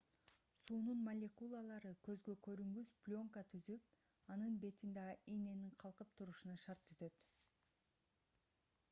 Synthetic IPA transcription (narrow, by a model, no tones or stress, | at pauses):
suːnunmalʲekulˠɑlˠɑɾɯkø̞zɡø̞kø̞ɾyŋɡysplʲo̞ŋkat̪ʰyzyp̚ | ɑnɯnbe̞t̪ind̪ɑʔine̞niɴqʰɑlˠqɯp̚t̪ʰuɾuʃunɑʃɑɾt̪ʰːyzø̞t̪